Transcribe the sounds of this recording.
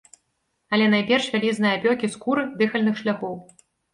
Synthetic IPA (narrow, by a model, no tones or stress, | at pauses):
ɐlʲɛnajpʲɛrʂvʲalʲiznɨjɐpʲɔkʲiskuɾɨd̪ɨxɐlʲnɨxʂlʲaxɔw